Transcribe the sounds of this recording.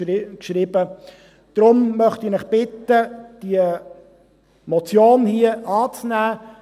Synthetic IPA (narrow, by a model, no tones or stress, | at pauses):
kʃɾiːbə | d̪̥ɾʊmːœχtɪnɪχb̥ɪtːəd̥iə | mɔt͡sjoːnhiəʔɑːt͡snæː